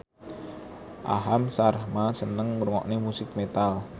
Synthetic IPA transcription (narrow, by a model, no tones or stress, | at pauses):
ʔa̰ɦamsarhmasənəŋːuɾuŋɔ̰ʔnemusɪk̚met̪al